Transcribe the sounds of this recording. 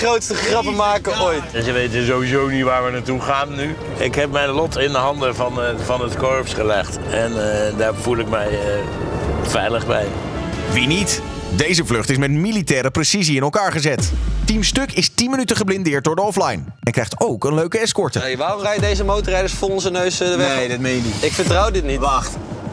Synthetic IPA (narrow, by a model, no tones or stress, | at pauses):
χrowtstəχrɑpəmaːkəojtnzəʋejtəzowizownitʋaːɹʋənaɹtuχaːnːy | ɪkɦɛpmɛjnlɔtɪndəɦɑndəvɑnvɑnətkɔɹpsχəlɛχt | ɛndaːvulˠɪk̚mɛjə | vɛjləχbɛ̰j | ʋinit | dejzəvlɵχtɪs̬mɛtmilitɛːɾəprɛsiziɪnɛlˠkaːɹχəzɛttimstɵkɪstinmənytəχəblɪndɪːɹt̚dʊːɹdəɔflɛjn | ɛnkrɛjχtowkənløɥkəɛskɔɹtəʋaːrɔmrɛjdejzəmowtərɛjdəsfolˠɔnzənøɥsdəʋɛmejniɪkfəɹtrɑwdɪtnit